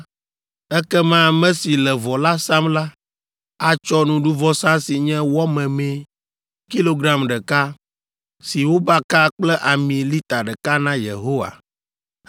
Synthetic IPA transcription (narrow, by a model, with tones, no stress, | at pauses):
ɛ˦kɛ˦mã˦mɛ̃˦si˨lɛ˨vɔ˨la˦sa˦mla˦ | a˦t͡ʃɔ˦nũ˨ɖu˦vɔ˦sã˦si˨ɲɛ̃˦wɔ˦mɛ̃˨mɛ̃˨ | ki˦lo˦ɡɾa˦mɖɛ˨ka˦ | si˨wo˦ba˦ka˦k͡plɛ˦ʔa˨mĩ˨li˦t̪a˨ɖɛ˨ka˦nã˦jḛ˨ɦo˦wa̰˨